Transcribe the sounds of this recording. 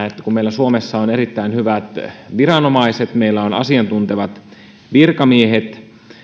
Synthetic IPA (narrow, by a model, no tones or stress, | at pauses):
et̪ːækummeilːˑæsuomesːɑoneɾit̪ːæinhyʋæt̪ʋiɾɑnomɑiset̪meilːæonɑ̰siɑnt̪unt̪eʋɑt̪ | ʋirkɑmiehet̪